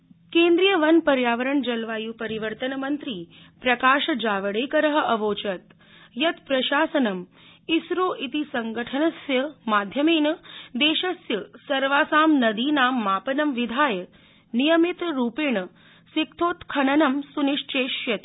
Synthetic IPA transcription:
keːnd̪ɾijɐʋɐnpɐɾjaːʋɐɾɐɳd͡ʒɐlʋaːjuːpɐɾiʋəɾt̪ɐnɐmɐnt̪ɾiː | pɾɐkaːʃɐd͡ʒaːʋɐɽeːkɐɾɐɦɐ̆ʔɐʋoːt͡ʃɐt̪̚ | jɐt̪pɾɐʃaːsɐnɐm | isɾoːʔit̪isɐŋɡɐʈʰɐnɐsjɐmaːd̪ʱjɐmeːnɐd̪eːʃɐsjɐsɐɾʋaːsaːmnɐd̪iːnaːmːaːpɐnɐmʋid̪ʱaːjɐ | nijɐmit̪ɾuːpiɳɐ | sikt̪ʰoːt̪kʰɐnɐnɐmsuniʂt͡ʃeːʃjɐt̪i

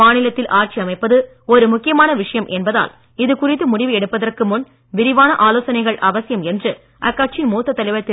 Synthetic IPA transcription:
maːnɪlɐt̪ːɪlʔaːr̚t͡ʃiɐmɐɪpːɐðɯ | ɔɾɯmʊkːɪjɐmaːnɐʋɪʂɐjɐmʔɛnbɐða̰ːl | ɪðɯkʊrɪt̪ːɯmʊɽɪʋɯɛɽɯpːɐðɐrkɯmʊn | ʋɪɾɪʋaːnɐʔaːloːsɐnɐɪɣɐɭʔɐʋɐsɪjɐmɛndrɯ | ʔɐkːaːʈ̚t͡ʃɪnmuːt̪ːɐt̪ːɐlɐɪʋɐt̪ːɪ

